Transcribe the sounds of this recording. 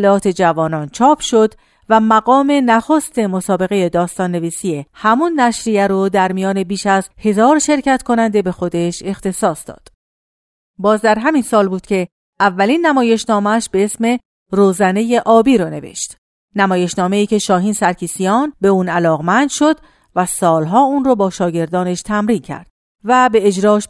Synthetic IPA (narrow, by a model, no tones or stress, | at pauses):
lɛɒːt̪ʰe̞d͡ʒævɒːnɒnt͡ʃʰɒːpʰʃo̞d̪ | væmæɣɒːme̞næxost̪e̞mo̞sɒːbe̞ɣe̞je̞d̪ɒːst̪ɒːnːe̞viːsiehæmunːæʃɾijæɾod̪æɾmijɒːne̞biːʃæzhe̞zɒːɾʃe̞ɾcæt̪kʰo̞nænd̪e̞be̞xo̞d̪e̞ʃe̞xt̪ʰe̞sɒːsd̪ɒ̰ːd̪̥ | bɒːzd̪æɾɦæminsɒːlbuːd̪̥cʰe̞ | ʔævːælinːæmɒːje̞ʃnɒːmæʃbe̞esme̞ | roːzæne̞je̞ʔɒːbiːɾɔne̞vḛʃt̪ | næmɒːje̞ʃnɒːme̞iːce̞ʃɒːɦiːnsæɾcʰiːsijɒːnbe̞uːnælɒːɣmænd̪̥ʃo̞d̪ | væsɒːlɦɒːuːnrobɒːʃɒːɟe̞ɾd̪ɒːne̞ʃt̪ʰæmɾiːncʰæ̰ɾd̪̥̚ | væbe̞ed͡ʒɾɒːʃ